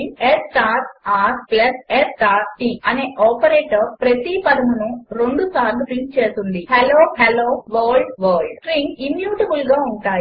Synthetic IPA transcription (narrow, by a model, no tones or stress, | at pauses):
esʈaːɾʈaːɾplɐsesʈaːʈiːɐneːʔɔːpɐɾeːʈɐɾpɾɐt̪ipɐd̪ɐmunuɾeɳɖusaːɾluʈɾiŋk̚t͡ʃeːsund̪iheloːheloːʋɐːlɖʋɐːlɖʈɾiŋkimjuːʈɐbulɡaːuɳʈaːi